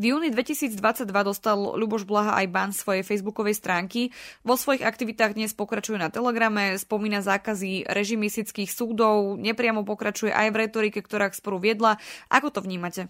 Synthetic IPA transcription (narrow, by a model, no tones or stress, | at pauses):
vjuːnid̪ʋɛcisiːd͡zd̪ʋat͡saɟ̚d̪ʋad̪ɔst̪alˠlubɔʒblaɦaʔa̰jbaːnsʋɔjɛjfɛjzbukɔʋɛjst̪ɾaːŋkiʋɔsʋɔjiɣak̚t̪iʋit̪aːɣd̪ɲɛspɔkɾat͡ʃujɛnat̪ɛlɛɡɾamɛspɔmiːnazaːkaziɾɛʒimist̪it͡skiːxsuːd̪ɔʊɲɛpɾɪamɔpɔkɾat͡ʃujɛ̰ʔajvɾɛt̪ɔɾikɛkt̪ɔɾaːkspɔɾuʋɪɛd̪laʔa̰kɔt̪ɔʋɲiːmacɛ